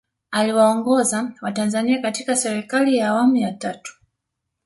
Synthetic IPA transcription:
aliwaɔŋɡɔzawatanzaniakatikasɛɾikalijaːwamujatatu̥

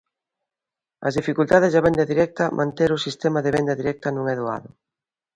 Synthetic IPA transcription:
ɐ̰zðifikult̪að̞ɪzðaβɛnd̪ɐðiɾɛk̚t̪ɐmʔã̰nt̪eɾʊsist̪ɛmɐðɪβɛnd̪ɐðiɾɛk̚t̪ɐnõŋɛðoa̰ðʊ

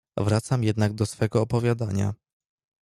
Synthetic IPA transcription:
vɾat̪samjɛd̪naɡ̚d̪ɔsfɛɡɔːpɔvʲjad̪aɲa̰

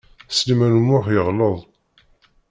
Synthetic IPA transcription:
səlmænmʊħjəʁloðˤ

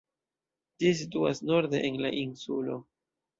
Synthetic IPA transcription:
d͡ʒis̬ituasno̞ɾd̪eʔenla̰ʔinsulo̞̰

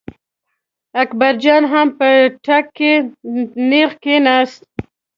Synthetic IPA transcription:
akbaɾd͡ʒɑnɦampəʈʰakːe | nexkenast̪̚

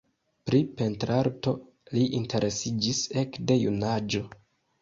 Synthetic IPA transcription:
pɾipe̞ntɾaɾto̞ | liʔintʰe̞ɾʔe̞sid͡ʒise̞kde̞junad͡ʒo̞

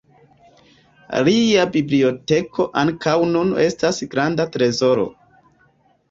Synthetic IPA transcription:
liabiblio̞te̞kʰo̞ʔaŋkawnune̞stasɡɾandatɾe̞zo̞ɾo̞̰

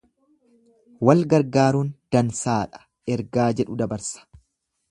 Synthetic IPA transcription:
wɐlɡɐɾɡaːɾuːnd̪̥ɐnsaːᶑɐ̥ | ɛɾɡaːd͡ʒɛᶑʊd̪ɐbɐɾsɐ̥

